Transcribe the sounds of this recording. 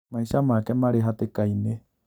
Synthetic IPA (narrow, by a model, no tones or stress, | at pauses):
mãĩʃamãkamãɾeɦat̪ekaine